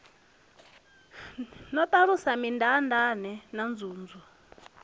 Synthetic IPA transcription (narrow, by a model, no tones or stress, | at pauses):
nɔt̪ʼaɺusamindandanɛnand͡zuːnd͡zu